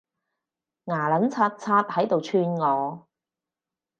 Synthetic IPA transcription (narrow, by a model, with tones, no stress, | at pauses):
ŋaː˨˩lɐ˨˥nt͡sʰaː˧t̚t͡sʰaː˧t̚hɐ˨˥jt̪o˨wt͡ʃʰyː˧nŋɔː˨˧